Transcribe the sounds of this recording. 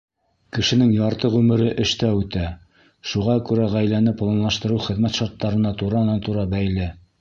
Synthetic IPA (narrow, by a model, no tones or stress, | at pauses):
kɘ̆ʃɘ̆nɘŋjɑɾt̪ɤʁʉmɘ̆ɾɘʔɘ̆ʃt̪æʉt̪æ | ʃuʁɑkʉɾæʁæjlænɘplˠɑnlˠɑʃt̪ɤ̆ɾɤχɘ̆ðmæt̪ʃɑɾt̪ːɑɾɤ̆nɑt̪uɾɑɤ̆nɑnt̪uɾɑbæjlɘ